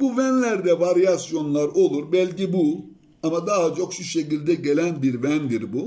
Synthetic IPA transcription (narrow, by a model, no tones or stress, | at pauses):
buvænlʲæɾd̪ɛvaɾijasjo̞nlˠaɾo̞lˠuɾbɛlʲcibu | amad̪aɦat͡ʃʰo̞kʃuʃe̞cilʲd̪ɛɟe̞lʲænbiɾvænd̪iɾbu